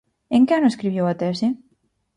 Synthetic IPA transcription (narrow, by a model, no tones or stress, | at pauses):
eŋkeanoeskɾiβjewat̪ɛsi